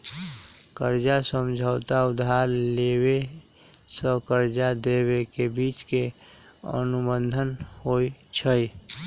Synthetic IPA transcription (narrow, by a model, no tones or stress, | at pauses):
kəɾd͡ʒasəmd͡ʒʱəʊt̪aʊd̪aɾlewe | sə̃kəɾd͡ʒad̪ewekebiːt͡ʃkeə̰nubənd̪ʱənhoit͡ʃʰəj